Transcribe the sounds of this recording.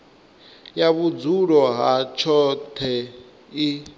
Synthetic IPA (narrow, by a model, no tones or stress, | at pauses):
jaβud͡zuɺɔɦat͡ʃʰɔtʰɛ | i